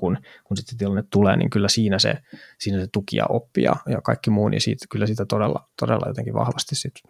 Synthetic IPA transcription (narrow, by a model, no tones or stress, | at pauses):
kunkunsit̪set̪ilɑnːet̪t̪uleːnḭŋkylːæsiːnæsḛsiːnæset̪ukḭɑ̰ʔopːijɑ̰jɑkɑikːimuːnʔḭnsḭːt̪kylːæsiːt̪æt̪odelːɑt̪odelːɑjo̰t̪eŋkiʋɑ̰hʋɑst̪issit̪